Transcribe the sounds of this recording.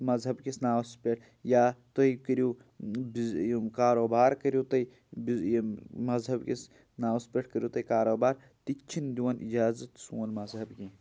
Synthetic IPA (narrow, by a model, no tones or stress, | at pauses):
mɐzɦɐbkisnaːwspʲeʈʰ | jaːt̪oikəɾju | bkaːɾoːbaːɾkɐɾjut̪ɐ | bimɐzɦɐbkis | naːwspʲeʈʰkəɾjuːt̪ɐikaːɾoːbaːɾ | t̪it͡ʃʰind̪uwɐnḭd͡ʒaːzɐt̪suːnmɐzɦɐbkĩ